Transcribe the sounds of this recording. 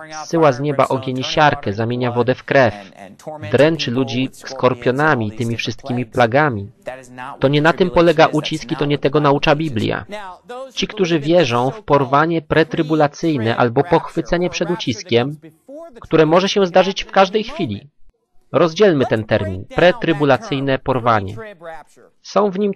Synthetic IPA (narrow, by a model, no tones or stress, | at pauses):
fsːɘwazɲɛba̰ʔɔɡʲjeɲiɕaɾkɛzamʲjeɲavɔd̪ɛfkɾɛfd̪ɾɛnt͡ʂɘlud͡ʑiskɔɾpʲjɔnamʲiːt̪ɘmʲifʂɘst̪̚kʲimʲiplaɡamʲit̪ɔɲɛnat̪ɘmpɔlɛɡaʔut͡ɕiskit̪ɔɲɛt̪ɛɡɔnaut͡ʂabʲiblʲja̰t͡ɕikt̪uʐɘvʲjɛʐɔ̃w̃fpɔɾvaɲɛpɾɛt̪ɾɘbulat̪sɘjnɛʔa̰lbɔpɔxfɘt̪sɛɲɛpʂɛd̪ut͡ɕiskʲɛmkt̪uɾɛmɔʐɛɕɛzd̪aʐɘt͡ɕfkaʐd̪ɛjxfʲilʲḭ | ɾɔzd͡ʑɛlmɘt̪ɛnt̪ɛɾmʲinpɾɛt̪ɾɘbulat̪sɘjnɛpɔɾvaɲɛ̰ | sɔ̃w̃vɲim